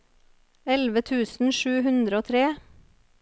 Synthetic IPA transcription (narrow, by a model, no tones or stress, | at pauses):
ɛlʋət̪ʰʉːsn̩ʃʉːhʉnd̪ɾəoːt̪ʰɾeː